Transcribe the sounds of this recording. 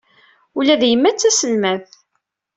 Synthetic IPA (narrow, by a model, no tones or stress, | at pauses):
ulæðjəmːæt͡sːæsəlmæθ